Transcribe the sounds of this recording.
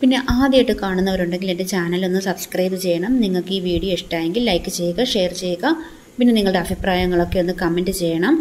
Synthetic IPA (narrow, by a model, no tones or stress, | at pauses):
pinːe̞ʔaːd̪jɐjiʈːɨkaːɳunːɐʋɐɾuɳɖe̞ŋɡile̞nde̞t͡ɕaːnɐlo̞nːɨsɐbskrɐjbɨt͡ɕe̞jːɐɳɐmniŋːɐɭkɨiːʋiːɽijoeʂʈaːje̞ŋɡilːɐjkːɨt͡ɕe̞jːuɣɐʂe̞jɐrt͡ɕe̞jːuɣɐ | pinːe̞niŋːɐɭɨɽeɐbʱipraːjɐŋːɐɭo̞kːe̞o̞nːɨkɐme̞ndɨt͡ɕe̞jːɐɳɐm